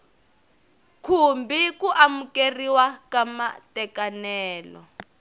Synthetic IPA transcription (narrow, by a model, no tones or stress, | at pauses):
kʰumbikuʔamukeriwakama̰tɛkanɛːlɔ̰